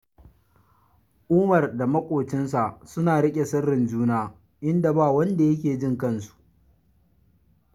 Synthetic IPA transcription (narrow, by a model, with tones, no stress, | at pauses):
ʔʊː˦mɐ˨rda˨mɐ˦kʷʼoː˨t͡ʃɪ˦ns̬a˨ʔsʊ˦naː˨ɽɪ˦kʲʼe˨sɐ˦rːɪ˨nd͡ʒuː˦naː˦˨ | ʔɪ˦nda˨baː˦˨wɐ˦nda˨jɐ˦k̬ʲeː˨d͡ʒɪ˦˨ŋkɐ˦nsu̥˨ʔ